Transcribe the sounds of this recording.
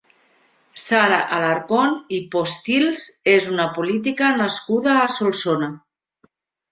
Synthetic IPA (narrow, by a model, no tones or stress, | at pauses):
saɾaʔalaɾkonipost̪ilzezunapolit̪̬ikanaskuðaːsolˠsona